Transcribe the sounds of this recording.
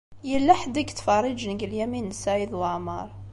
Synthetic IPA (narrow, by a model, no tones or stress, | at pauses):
jəlːæħd̪əkt̪fɑrˤəd͡ʒnəɡəljæminːsæjəd̪waʕmɑɾˤ